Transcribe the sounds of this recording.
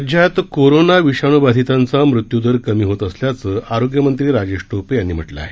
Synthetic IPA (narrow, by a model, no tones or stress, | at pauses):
d͡ʑʱjat̪koɾonaʋiɕaɳ̃ubad̪ʱit̪ant͡samɾut̪jud̪ʱəɾkəmiːɦot̪əsljat͡səːʔaɾoɡjəmənt̪ɾiːɾad͡ʑeʂʈopejanːiːm̤əʈla̰a̰ɦe